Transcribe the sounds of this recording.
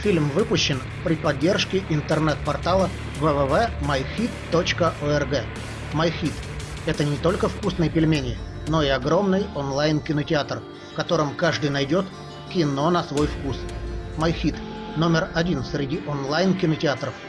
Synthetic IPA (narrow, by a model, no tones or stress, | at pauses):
fʲilʲmvɨpʊɕːɪn | pɾʲɪpɐdʲːe̞rʂkʲɪʔɪnt̪ərnɛt̪̚pɐrt̪alˠə | vəvɛvɛmɐjxʲit̪ːot͡ɕkəʔoɛrɡɛ | mɐjxʲit̪ | ɛt̪ənʲɪt̪o̞lʲkəfkusnəjəpʲɪlʲmʲenʲɪno̞ɪɐɡɾo̞mnɨjonlˠajnkʲɪnətʲɪat̪r | fkɐt̪o̞ɾɨmkaʐd̪ɨjnɐjdʲo̞t̪ | kʲɪno̞nɐsvo̞jfkusmɐjxʲit̪ | no̞mʲɪrɐdʲinsɾʲɪdʲiʔonlˠajnkʲɪnətʲɪat̪ɾəf